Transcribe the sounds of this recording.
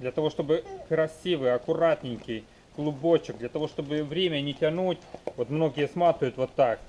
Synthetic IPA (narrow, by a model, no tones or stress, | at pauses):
d̪lʲɐt̪ɐvo̞ʂt̪o̞bɨkɾɐsʲivɨjɐkʊɾat̪ʲnʲɪnʲkʲɪj | ɡ̥lˠʊbo̞t͡ɕɪɡ̚d̪lʲɐt̪ɐvo̞ʂt̪o̞bɨvɾʲemʲənʲɪtʲɐnutʲvo̞t̪mno̞ɡʲɪjəsmat̪ɨjʊt̪vo̞t̪ːak